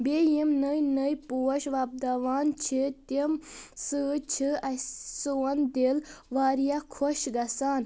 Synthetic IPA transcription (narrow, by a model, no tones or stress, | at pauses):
bʲejimnəjnəjpuːɐʃʋɐb̚d̪ɐʋaːnt͡ʃʰit̪imsɨt͡ʃʰiɐsoɐnd̪elʋaːɾijakʰoʃɡɐsaːn